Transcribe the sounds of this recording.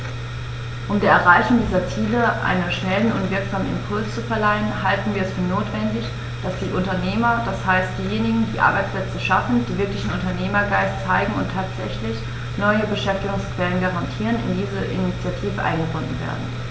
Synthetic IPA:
ʔʊmdiːɐɛɐʁaɪçʊŋdiːzɐt͡siːləʔa̰ɪnənʃnɛlən̩ʊntv̥ɪɐkz̥aːmənɪ̰mpʰʊlst͡sufɛɐlaɪənhaltn̩viːɐɛsfyːɐnoːtv̥ɛndɪç | d̥asd̥iːʔʊntɐneːmɐd̥ashaɪstd̥iːjeːnɪɡŋ̩d̥iːʔa̰ɐbaɪt͡spʰlɛt͡səʃafn̩diːvɪɐklɪçn̩ʊntɐneːmɐɡaɪstt͡saɪɡŋ̩ʊntʰaːtz̥ɛçlɪç | nɔʏəbəʃɛftɪɡʊŋskv̥ɛlənɡaʁantʰiːʁənɪ̰ndiːzəʔɪ̰nit͡sjatʰiːvəʔa̰ɪnɡəbʊndn̩vḛːɐdn̩

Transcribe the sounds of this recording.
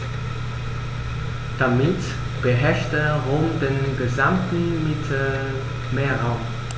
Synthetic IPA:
d̥amɪt | b̥əɦɛɐʃtəʁoːmdeːnɡəzamtn̩mɪtʰə | meːɐʁaʊm

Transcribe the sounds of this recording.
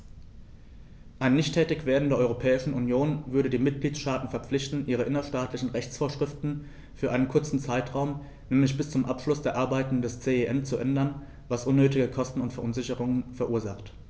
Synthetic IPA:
ʔaɪnːɪçtʰːɛːtɪçv̥eːɐdn̩deːɐʔɔʏʁopʰɛːɪʃn̩ʔunjoːnvʏɐɾədiːmɪt̚ɡ̥liːtsʃtaːtn̩fɛɐpp͡flɪçtn̩ʔiːʁ̞əʔɪnɐʃtaːtʰlɪçn̩ʁɛçt͡sfoːɐʃʁ̥ɪftn̩ | fyːɐʔaɪnənkʰʊɐt͡sn̩t͡saɪtʁ̥aʊm | nɛːmlɪçb̥ɪst͡sʊmʔapʃlʊsd̥eːɐʔaɐbaɪtn̩dɛst͡seːeʔɛnt͡suʔɛndɐn | vasʔʊnːøːtɪɡəkʰɔstn̩ʊntfɛɐʔʊnzɪçəʁʊŋənfɛɐʔuːɐza̰χt

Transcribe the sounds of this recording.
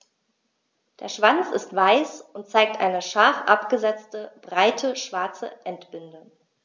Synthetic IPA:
d̥eːɐʃv̥ant͡sɪstv̥aɪsʊnt̚t͡saɪk̚tʔa̰ɪnəʃaɐfʔapɡ̥əzɛt͡stəb̥ʁaɪtʰəʃv̥aɐt͡sə̰ʔɛntb̥ʏndə

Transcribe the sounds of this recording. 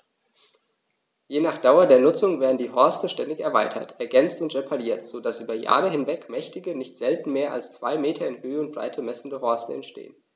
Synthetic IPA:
jeːnaːχd̥aʊɐdeːɐnʊt͡sʊŋveːɐdn̩diːɦɔɐstəʃtɛndɪçɛɐvaɪtʰɐ̰tʰʔɛɐɡɛnt͡stʊntʁepʰaliːɐtz̥oːdasʔyːbɐja̰ːʁəɦɪnvɛkmɛçtɪɡənɪçtz̥ɛltn̩meːɐʔa̰lst͡sv̥a̰ɪmeːtʰɐɪnhøːəʊnt̚b̥ʁa̰ɪtʰəmɛsn̩dəhɔɐst̩ɛntʃtḛːən

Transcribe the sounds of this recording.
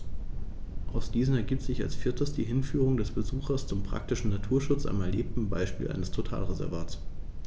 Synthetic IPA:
ʔaʊsd̥iːzn̩ɛɐɡiːp̚tz̥ɪça̰lsfɪɐtəsd̥iːɦɪnfyːʁ̞ʊŋdɛsb̥əzuːxɐst͡sʊmpʁ̥a̰k̚tɪʃn̩natʰuːɐʃʊt͡sʔa̰mɛɐleːp̚tn̩ba̰ɪʃpiːlʔa̰ɪnəstʰotʰa̰ːlʁezɛ̰ɐvaːts

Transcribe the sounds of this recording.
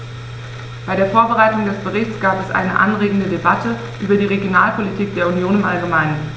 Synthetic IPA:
b̥aɪɾeːɐfoːɐbəʁaɪtʊŋdɛsb̥əʁɪçt͡sɡ̥aːpɛsʔa̰ɪnəʔa̰nʁeːɡŋ̩dədebatʰə | ʔyːbɐdiːʁ̞eɡjonaːlpʰolitʰiːk̚d̥eːɐunjoːnɪmʔalɡəmaɪnən

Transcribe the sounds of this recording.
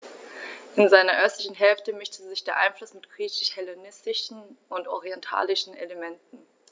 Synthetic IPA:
ʔɪnzaɪnɐʔœstlɪçn̩ɦɛlftəmɪʃtʰəzɪçd̥eːɐʔaɪnflʊsmɪtɡ̥ʁiːçɪʃhɛlenɪstɪʃn̩ʊntʔɔʁiɛntʰa̰ːlɪʃn̩ḛləmɛntn̩

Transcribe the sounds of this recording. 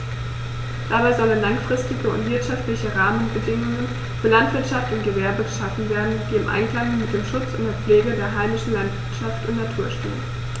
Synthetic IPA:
d̥aːbaɪzɔlənlaŋfʁ̥ɪstɪɡəʊ̰ntv̥ɪɐtʃaftlɪçəʁaːmənbədɪŋʊŋən | fyːɐlantv̥ɪɐtʃaftʊntɡ̥əvɛɐbəɡəʃafn̩veːɐdn̩d̥iːɪmʔa̰ɪnkl̥aŋmɪt̚d̥eːmʃʊt͡sʊntd̥eːɐp͡fleːɡədeːɐɦaɪmɪʃn̩lantv̥ɪɐtʃaftʊntnatʰuːɐʃtḛːn

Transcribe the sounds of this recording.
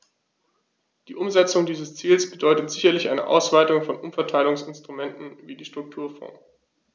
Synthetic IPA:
d̥iːʔʊmzɛt͡sʊŋdiːzəst͡siːlsb̥ədɔʏtətz̥ɪçɐlɪçʔa̰ɪnə̰ʔa̰ʊsv̥aɪtʊŋfɔnʔʊmfɛɐtʰaɪlʊŋsɪnstʁ̥umɛntn̩viːdiːʃtʁ̥ʊk̚tʰuːɐfɔ̰̃ːŋ

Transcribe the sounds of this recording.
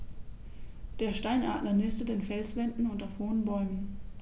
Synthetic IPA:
d̥eːɐʃtaɪnʔa̰ːdlɐnɪstədeːnfɛlsv̥ɛndn̩ʊntɐfoːnbɔʏmən

